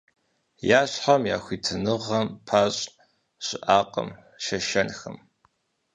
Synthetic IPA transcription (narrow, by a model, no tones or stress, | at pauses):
jaːɕħamjaːxʷiːtʰɨnɨʁɐmpʰaːɕʼ | ɕʼɪʔaːqʼɐ̰m | ʃɐʃɐnxɐm